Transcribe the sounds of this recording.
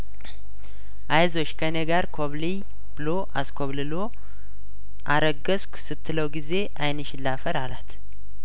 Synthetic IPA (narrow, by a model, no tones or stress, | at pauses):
ʔajzo̞t͡ʃːkʰəneɡaɾkʰoβli | bɨlo̞ʔaskʰoβlɨlo | ʔaɾəɡəskʷsɨt̪ʰːɨləwɡize̞ʔajnɨʃɪlːafəɾalat̪